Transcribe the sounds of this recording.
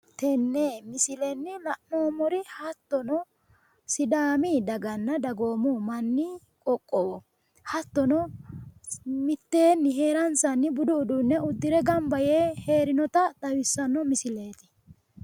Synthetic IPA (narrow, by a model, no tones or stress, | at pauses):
t̪ɛnːemɪsɪlɛnːɪlɐʔnoːmɔɾɪhɐt̪ːɔnɔ | sɪd̪aːmid̪ɐɡɐnːɐd̪ɐɡoːmʊmɐnːɪ | kʼɔkʼːɔwɔ | hɐt̪ːɔnɔ | mɪt̪ːeːnːɪɦe̞ːɾɐnsɐnːɪbʊd̪ʊːd̪ʊnːɛʊd̪ːɪɾɛɡɐmbɐjeːheːɾɪnɔt̪ɐt̪ɐwɪsːɐnːɔmɪsɪle̞ːt̪ɪ̥